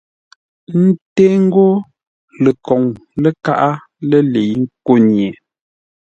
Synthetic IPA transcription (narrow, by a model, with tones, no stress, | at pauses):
n̩˦teː˦ŋ̩˦ɡo˦ | lə˨kɔ˨ŋlə˦ka˦ʔa˦ | lə˦le˨ji˦ŋ̩˦ko˦nje˨